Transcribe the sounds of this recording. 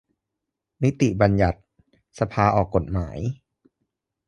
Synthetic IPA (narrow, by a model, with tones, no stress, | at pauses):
ni˦˥t̪i˨˩ʔba˧nja˨˩t̪̚ | sa˧pʰaː˧ʔɔː˨˩kːo˨˩t̪̚maː˩˦j